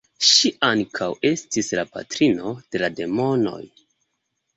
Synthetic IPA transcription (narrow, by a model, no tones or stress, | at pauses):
ʃiʔaŋkʰawe̞stislapa̰tɾino̞d̥e̞lade̞mo̞no̞̰j